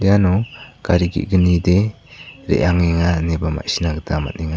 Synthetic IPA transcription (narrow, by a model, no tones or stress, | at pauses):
dijanɔkaɾiɡḭt̚ɡənide | ɾḛʔaŋeŋanebama̰ʔsinaɡətʰama̰t̚niŋa